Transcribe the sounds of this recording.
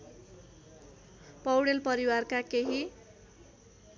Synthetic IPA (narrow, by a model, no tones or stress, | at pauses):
pʌwɽelpʌɾiwarkakeɦi